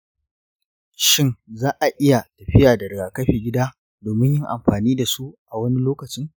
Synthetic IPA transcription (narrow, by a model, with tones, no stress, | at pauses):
ʃɪ˦nzaː˦ʔa˨ʔɪ˦ja˨tɐ˨ɸɪ˦jaː˨dɐ˨ɽɡaː˨kɐ˦ɸeː˨ɡʲɪ˦daː˦ | doː˨mɪ˦ɲjɪ˦ŋʔa˨mɸaː˨niː˦da˨su˦ʔa˨wɐ˦ni˦loː˦kɐ˨t͡ʃɪ˦ŋ